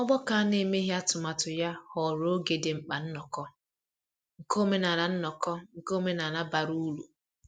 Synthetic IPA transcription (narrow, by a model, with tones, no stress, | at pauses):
ɔ˦ɡ͡bɔ˦ka˨a˦ne˨me˦ɦja˦tʊ˨ma˨tʊ˨ja˦hɔ˨ɾo˦ɡe˨de˨ŋ͡m̩˨k͡pa˨n̩˦nɔ˨kɔ˦ | ŋ̩˨ko˦me˦na˨ɾa˨n̩˦nɔ˨kɔ˦ŋ̩˨ko˦me˦na˨na˦ba˨ɾu˦lṵ˨